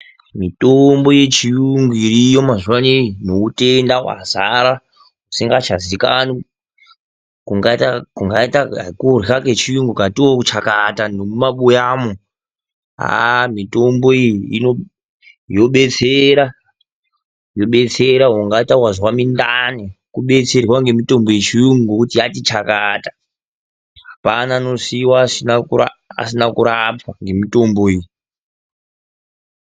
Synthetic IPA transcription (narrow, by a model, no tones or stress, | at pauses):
mitombo̞je̞t͡ʃijuŋɡuiriːjomaʐuwaninoutʼendawa̰zaɾa | usiŋɡat͡ʃazikano | kuŋɡatakuŋɡaitakuraket͡ʃijuŋɡukatiwokut͡ʃakatanomumaɓujaːmo | a̰mitʼo̞mbo̞iiino | jo̞ɓe̞t͡seɾa | jo̞ɓe̞t͡seɾaɦaŋɡataurwazwamindanikuɓe̞t͡se̞rwaŋɡe̞mito̞mboit͡ʃiuŋɡokutijatit͡ʃakatḁ | ɦapanaːno̞siwasinakuaa̰sinakuɾapʰwaŋɡe̞mito̞mboiːji